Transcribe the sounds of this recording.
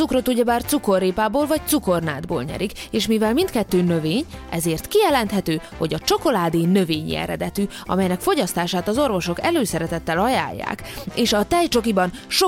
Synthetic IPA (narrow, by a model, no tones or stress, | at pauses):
ukro̞t̪uɟɛbaːrt̪suko̞rːeːpaːboːlvɒct̪suko̞rna̰ːd̪bo̰ːlɲɛ̰ɾikeːʃmivɛlmint̪kɛt̪ːøːnøveːɲɛ̰zeːrt̪kijɛlɛnt̪ɦɛt̪øːho̞̰ɟɒt͡ʃo̞ko̞laːd̪eːnø̞veːɲḭɛ̰ɾɛ̰d̪ɛt̪y | ɒ̰mɛjnɛkfo̞ɟɒst̪aːʃaːt̪ɒzo̞rvo̞ʃo̞kɛløːsɛɾɛt̪ɛt̪ːɛlɒja̰ːjːa̰ːk | eːʃɒt̪ɛjt͡ʃo̞kibɒnʃo